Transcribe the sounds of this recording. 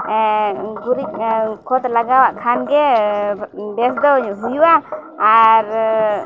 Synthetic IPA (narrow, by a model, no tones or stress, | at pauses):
ɡuɾiʔkʰɔt̪laɡawaʔkʰanɡɛ | bɛsd̪ɔɲuɦujuwaː | ɾ